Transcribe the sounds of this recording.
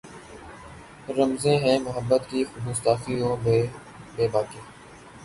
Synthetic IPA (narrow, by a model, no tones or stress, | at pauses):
ɾəmzẽːɦɛ̃ːmʊɦəbːət̪kiːxʊbuːsaːfiːõːb | beːbaːkeː